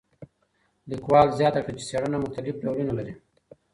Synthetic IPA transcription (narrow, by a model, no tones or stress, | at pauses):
likwɑlzjɑt̪akɽat͡ʃe̥seɽənamʊxt̪alɪfɾawɽinolaɾi